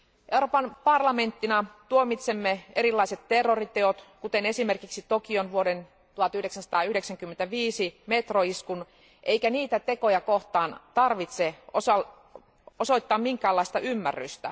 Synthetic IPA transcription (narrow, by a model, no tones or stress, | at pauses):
ʔeuropɑnpɑrlɑme̞nt̪ːinɑt̪uomit̪semːeeɾilːɑiset̪terːorit̪eot̪kut̪ene̞simerkiksit̪okionʋuoden | t̪uhɑt̪yhdeksænsɑ̥t̪ɑːyhdeksæŋkymːent̪æʋiːsimet̪roiskun | ʔeikæniːt̪æt̪eko̞jɑkoht̪ɑːnt̪ɑrʋit̪seosɑl | osoit̪ːɑːmmiŋkæːlːɑist̪ɑʔymːæ̰rːy̰st̪æ̰